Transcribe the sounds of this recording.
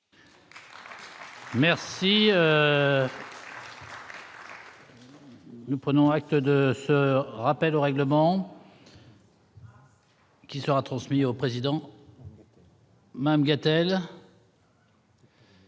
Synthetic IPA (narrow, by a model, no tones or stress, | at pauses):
mɛʁsiø | nupχənɔ̃ak̚t̪d̪əsəʁapɛloʁɛɡləmɑ̃ | kʲisəʁat̪χɑ̃smiopχezid̪ɑ̃ | mad̪amɡat̪ɛl